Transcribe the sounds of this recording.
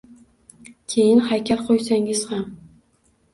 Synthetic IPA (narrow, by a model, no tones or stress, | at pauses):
kʲʰejɪnhakʲʰalqʰojsaŋɪz̥ham